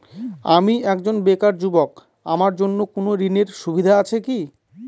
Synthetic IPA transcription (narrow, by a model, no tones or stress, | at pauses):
amiɛkd͡ʑonbekaɾd͡ʑubok | a̰maɾd͡ʑonːokonoɾineɾʃubʱid̪ʱaat͡ɕʰeki